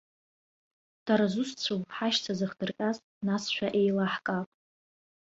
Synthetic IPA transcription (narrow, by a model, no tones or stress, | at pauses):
d̥aɾazust͡ɕʷʰowħaʃt͡sʰazɨχd̥ɨrkʲʼaz | nasʃʷᶣaʔe̞jlaħkʼapʼ